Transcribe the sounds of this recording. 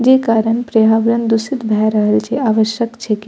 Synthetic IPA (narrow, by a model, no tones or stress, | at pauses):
d͡ʑekaɾəɳpɾəɦabɾənd̪usit̪bʱaɾəɦəlt͡ɕʰeaʋəʃjəkt͡ɕʰek